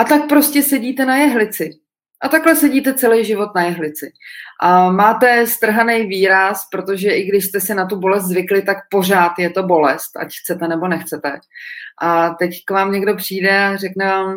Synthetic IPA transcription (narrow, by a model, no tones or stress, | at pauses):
ʔat̪ak̚pɾo̞scɛsɛɟiːt̪ɛnajɛɦlɪt͡sɪ | ʔat̪aklɛsɛɟiːt̪ɛt͡sɛlɛjʒɪvo̞t̪najɛɦlɪt͡sɪʔamaːt̪ɛst̪r̩ɦanɛjviːɾaspɾo̞t̪o̞ʒɛʔɪɡdɪʃst̪ɛsɛnat̪ubo̞lɛs̬t̪zvɪklɪt̪akpo̞r̝aːt̪jɛt̪o̞bo̞lɛst̪a̰cxt͡sɛt̪ɛnɛbo̞nɛxt͡sɛt̪ɛʔat̪ɛckvaːmɲɛɡdo̞pr̝̥iːdɛarɛknɛvaːm